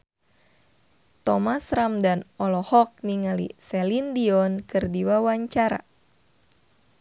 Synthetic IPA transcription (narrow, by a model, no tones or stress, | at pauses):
t̪ɔmasɾamdanɔlɔhɔk̚niŋalḭsɛlindiɔnkɨrdiwawaɲt͡ʃaɾa̰